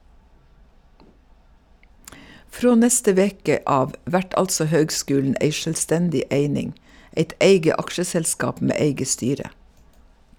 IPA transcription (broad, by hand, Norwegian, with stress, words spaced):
ˈfɾoː ˈnɛstə ˈʋeːkə ˈɑːʋ ˈʋæʈ ˈɑltsɔ ˈhøːɡˌskʉːln̩ ˈʔeɪ ˌʃœlˈstɛndɪ ˈʔeɪnɪŋ ˈeɪt ˈʔeɪɡə ˈɑkʃəsɛlˌskɑːp ˈmeː ˈeɪɡə ˈstyːɾə